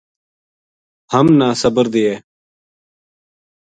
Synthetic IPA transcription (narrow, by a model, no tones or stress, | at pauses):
həmnaːsəbəɾd̪ɪeː